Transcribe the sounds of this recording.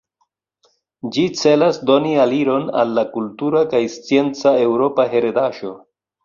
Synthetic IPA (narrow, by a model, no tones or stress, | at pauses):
d͡ʒit͡se̞lasdonialiɾo̞na̰lːakultuɾakajst͡sije̞nt͡sae̞wɾo̞paɦeɾedaʃo̞